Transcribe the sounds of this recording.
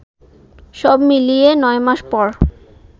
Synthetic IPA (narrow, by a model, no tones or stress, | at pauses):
ʃɔbmilijenɔemaʃpɔɾ